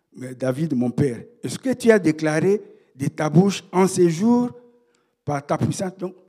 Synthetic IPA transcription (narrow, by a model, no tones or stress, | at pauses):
mɛd̪avid̪mɔ̃pɛʁɛskət̪yad̪eklaʁe | d̪ət̪abuʃɑ̃seʒuʁ | paʁt̪apwisɛ̃t̪d̪ɔ̃